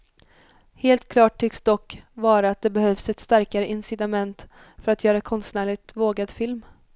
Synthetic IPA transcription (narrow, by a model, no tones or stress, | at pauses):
heːlt̪̚kʰlɑːʈʰːʏksd̪ɔkːvɑːɾaːt̪̚d̪ɛbɛhœvsɛt̪st̪aɾkaɾəʔɪnsɪd̪amɛnt̪ | fœɾat̪jœːɾakʰɔnst̪næːɭɪɡ̚t̪voːɡad̪fɪlm